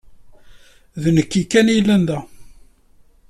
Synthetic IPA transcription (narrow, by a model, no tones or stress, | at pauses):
ðnəkːikːænilːænðæ